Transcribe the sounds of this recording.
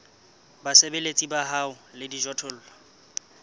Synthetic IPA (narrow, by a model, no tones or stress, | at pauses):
basebelet͡sʼibaɦaʊlɪdiʒɔtʰʊl̩ːlɔ